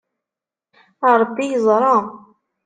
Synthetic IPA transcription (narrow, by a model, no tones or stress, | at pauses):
ɑɾˤbːijəzˤɾˤɑ